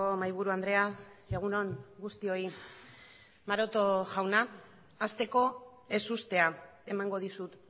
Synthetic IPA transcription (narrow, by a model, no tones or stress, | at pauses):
omajβ̞uɾuand̪ɾe̞aeɣ̞uno̞ŋɡust̪io̞i | maɾo̞t̪o̞ʝawnaː | st̪e̞ko̞ | e̞sust̪e̞a | e̞maŋɡo̞ð̞isut̪